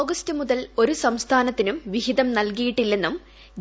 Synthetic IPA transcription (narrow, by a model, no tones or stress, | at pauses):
ɡɐstɨmuðɐlo̞ɾusɐmst̪ʰaːnɐt̪ːinumʋihid̪ɐmnɐlkijiʈːilːe̞nːum